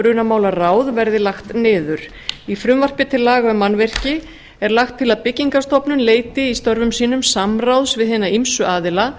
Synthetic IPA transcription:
ɾʏnamaːwlaraːwðvɛɾðɪlaxt̪nɪːðʏɾ̥ | ifɾʏmvar̥pɪt̪ʰɪlːaːɣœmanvɛr̥cɪ | ɛɾlaxt̪ʰːɪlaðpɪciŋkast̪ɔpnʏnleːjt̪ɪist̪œɾvʏmsiːnʏmsamrawðsvɪðɦɛːnaimsʏʔaːðɪla

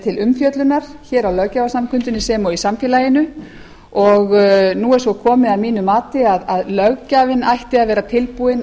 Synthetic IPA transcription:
t̪ʰɪlʏmfjœt̪lʏnaɾ̥çɛːɾawlœɣcavasamkʰʏnt̪ʏnːɪsɛmɔisamfjɛːlajɪnʏ | ɔɣnuɛɾsvɔkʰɔːmɪðamiːnʏmaːt̪ɪaðaðlœɣcaːvɪnajht̪ɪaðvɛːɾat̪ʰɪlpuɪn

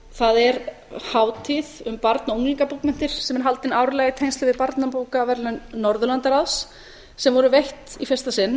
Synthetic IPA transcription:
θaðɛɾ | haːwt̪ʰɪðʏmpaɾt̪noŋniŋkapukmɛn̥t̪ɪɾ̥sɛmɛɾɦalt̪ɪnaːwɾlɛːɣɪt̪ʰejnst̪ɪvɪðpaɾt̪napoːwkavɛɾlʏnnːɔɾðʏlant̪aɾaws | sɛmvɔɾʏvejht̪ifɛst̪asɪnː

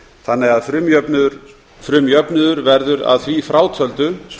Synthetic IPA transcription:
θanːɛɣaðfɾʏmœpn | fɾʏːmjœpnʏðʏɾvɛɾðʏɾa̰ðθvifɾʔaːwt̪ʰœlt̪ʏ

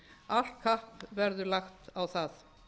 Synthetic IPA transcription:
aɬt̚kʰahpvɛɾðʏlaxt̪awθaθ

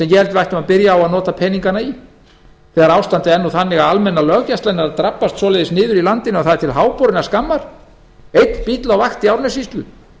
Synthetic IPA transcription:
sɛmjɛhɛlt̪vajht̪ʏmaðpɪɾjaːwaðnɔːt̪apʰɛniŋkanai | θɛːɣaɾaːwst̪ant̪ɪɛnːuθanːɪɣaðalmɛnːalœːɣcast̪ajnaɾaðt̪ɾapːast̪sɔlɛjðɪsnɪːðʏɾilant̪ɪnawθað̥t̪ʰɪlɦaːwpɔɾɪnaskamːaɾ̥ | ejt̪npit̪lawvaxt̪iawɾnɛsist̪lʏ

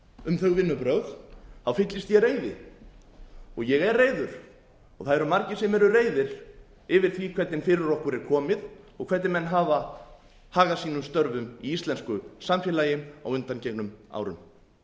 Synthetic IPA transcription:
ʏmθœɣvɪnːʏpɾœxθawfɪt̪lɪst̪jɛɾeːjðɪ | ɔɣjɛɣɛrreːjðʏɾ̥ | ɔɣθaðɛɾamaɾcɪsɛmɛɾʏreːjðɪɾ | ɪvɪɾ̥θvikʰvɛt̪nɪnfɪːɾɪɾɔhkʏɾɛɾ̥kʰɔːmɪð | ɔɣkʰvɛt̪nɪnmɛnːɦaːva | haːɣasiːnʏmst̪œɾvʏmiist̪lɛnskʏsamfjɛːlaːjɪma̰wʏnt̪ancɛknʏma̰ːwɾʏ̰m

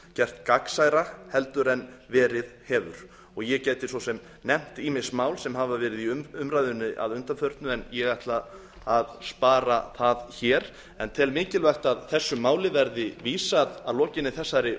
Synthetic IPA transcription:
cɛr̥t̪kaksajɾahɛlt̪ʏɾɛnvɛːɾɪðhɛːvʏ̰ɾ̥ | ɔɣjɛcɛːjt̪ɪsvɔsɛm | nɛm̥t̪imɪsmaːwlsɛmɦavavɛːɾɪðiʏʏmɾajðʏnːɪʔa̰ðʏnt̪amfœɾt̪nʏɛnjɛɣajht̪laː | ðspaːɾaθaðçɛːɾ̥ | ɛnt̪ʰɪlmɪːcɪlvaxt̪aðθɛsːʏmaːwlɪvɛɾðɪviːsaðaðlɔːcɪnːɪθɛsːaɾɪ

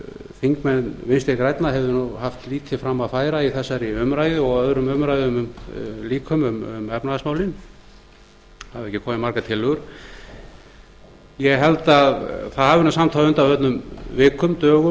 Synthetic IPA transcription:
fiŋkmɛnvɪnst̪ɪɾkɾajt̪naɦɛvðʏnuhaft̪liːt̪ʰɪfɾamːaðfaːjɾaiθɛsːaɾɪʏmɾaːjðɪɔɣœðɾʏmʏmɾajðʏmʏmliːkʰʏmʏmʏ̰mɛpnaðasmaːwlɪn | haðvɛhcːɪkʰɔːmɪnmaɾkat̪ʰɪlːʏɣʏɾ̥ | jɛɣɦɛlt̪aðθaðhavʏnasamt̪ʰawʏnt̪avœt̪nʏmvɪːkʰʏmt̪œːɣʏ

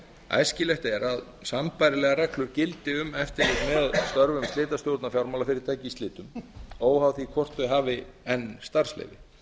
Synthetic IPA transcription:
a̰jscɪlɛht̪aɛɾað | sampajɾɪlɛːɣaɾɛklʏɾcɪlt̪ɪʏmɛft̪ɪɾlɪt̪mɛðaðst̪œɾvʏmst̪lɪːt̪asjowɾt̪nafjawɾmawlafɪɾɪɾt̪ʰaːjcɪːst̪lɪːt̪ʏmoːwhawθikʰvɔr̥t̪ʏɦaːvɪɛnːst̪aɾ̥slɛ̰jvɪ

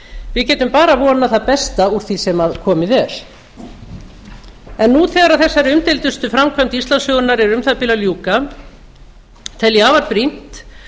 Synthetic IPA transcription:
vɪðcɛːt̪ʏmpaːɾavɔːnaθaðpɛst̪auɾ̥θisɛmaðkʰɔːmɪðɛɾ̥ | ɛnːuθɛːɣaɾaðθɛsːaɾʏmt̪ɪlt̪ʏst̪ʏfɾamkʰam̥t̪ist̪lansjɔwɣʏnaɾɛɾʏmθapɪlaljuːka | t̪ʰɛljɪaːvaɾpɾin̥t̪

